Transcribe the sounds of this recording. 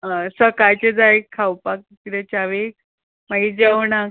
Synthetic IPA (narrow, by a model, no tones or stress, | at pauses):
ɦasəkajt͡ɕed͡zaekʰːawpak̚kid̪ɛt͡ɕaʋek | maɡid͡ʑawnak